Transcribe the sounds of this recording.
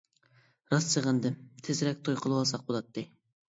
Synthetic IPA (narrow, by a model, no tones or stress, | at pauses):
ɾɑst͡ʃʰəʁənd̪ɨmt̪ʰɪzɾɛk̚ʲt̪ʰojqʰəlˠɨwɑlˠsɑq̚bolˠɑt̪ːɨ